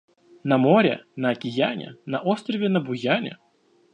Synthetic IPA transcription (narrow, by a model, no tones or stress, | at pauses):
nɐmɔɾʲɛ̰nɐɐkʲɪjanʲɛ̰nɐʔɔst̪rəvʲɪnɐbʊjanʲɛ̰